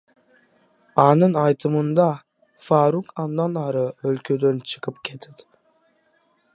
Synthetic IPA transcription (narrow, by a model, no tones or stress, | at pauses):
ɑnɯnɑjt̪ʰɯmɯnd̪ɑ | fɑːɾukʰɑnd̪ɑnɑɾɯølkʲʰød̪ønt͡ʃʰɯ̥qʰɯpkʲʰet̪ʰɪd̪ɪ̥